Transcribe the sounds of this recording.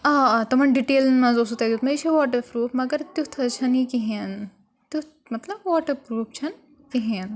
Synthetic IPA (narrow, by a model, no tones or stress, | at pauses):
aːt̪ɐmɐɳɖiʈeːlnmɐ̃zosut̪ɐɡʲut̪mɐit͡ʃʰiʋaːʈ̬ɐpɾuːpmɐɡɐɾt̪jut̪ʰɐt͡ʃʰɐnikiɦẽn | t̪u | mɐt̪lɐbʋaːʈɐpɾuːp̚t͡ʃʰɐn | kiɦeːn